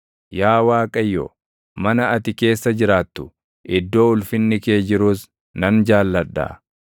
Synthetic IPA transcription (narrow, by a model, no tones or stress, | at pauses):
jaːwaːkʼɐjːo̰ː | mɐnɐɐt̪ɪke̞ːsːɐd͡ʒɪɾaːt̪ːʊ̥ | ʔɪd̪ːo̞ːʊlfɪnːɪke̞ːd͡ʒɪɾuːs | nɐnd͡ʒaːlːɐᶑːa̰ː